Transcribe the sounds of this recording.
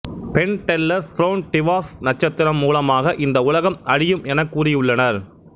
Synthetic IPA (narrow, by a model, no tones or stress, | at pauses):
pɛɳʈɛlːɐɾfɾoːnʈɪʋaːfnɐʈ̚t͡ʃːɐt̪ːɪɾɐmːuːlɐmaːɣɐʔɪnd̪ɐʊlɐɣɐmɐɽɪjɯmɛnɐkːuːrɪjʊɭːɐnɐɾ